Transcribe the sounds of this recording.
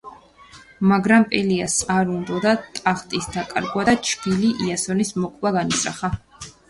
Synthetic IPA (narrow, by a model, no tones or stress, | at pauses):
maɡɾampʼɛliasaɾund̪ɔd̪at̪ʼaχt̪ʼisd̪akʼa̰ɾɡwad̪t͡ʃʰɡiliʔiasɔnismɔkʼlˠaɡanisɾa̰χa